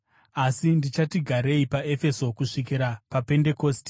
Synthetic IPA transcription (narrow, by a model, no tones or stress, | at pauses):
asindit͡ʃatiɡʱaɾe̞ipae̞fe̞so̞kuʂik̬iɾapape̞nde̞ko̞ːsti